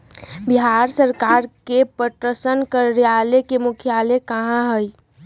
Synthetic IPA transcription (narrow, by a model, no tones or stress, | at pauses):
bɪɦaːɾsəɾkaːɾkepəʈɾəsənkəɾːijaːlekemʊkʰjaːlekɐɦãɦəi